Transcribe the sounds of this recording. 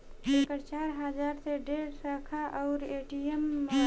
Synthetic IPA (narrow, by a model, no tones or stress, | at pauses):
ekəɾt͡ʃaːɾɦad͡ʒaːɾseɖeːɾsəkʰaʔɔʊɾeːʈiemːə